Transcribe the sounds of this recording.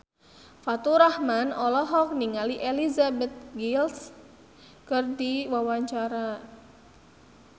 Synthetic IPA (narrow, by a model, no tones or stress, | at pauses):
fat̪uɾahmanɔlɔɦɔk̚niŋaliʔelizabɛt̪̚ɡils | kɨrdiwawaɲt͡ʃaɾa